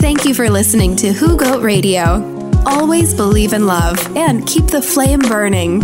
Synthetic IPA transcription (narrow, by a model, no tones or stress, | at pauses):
θæ̃ŋkjɨfə˞lɪsɨnɪ̃ŋtʰɨhuɡoʊʔ̚ɹeɪɾioʊ | ʔɔlˠwizbəlivɨ̃nlʌvɨ̃nkʰip̚ðɨflẽɪ̃mbɜ˞nɪ̃ŋ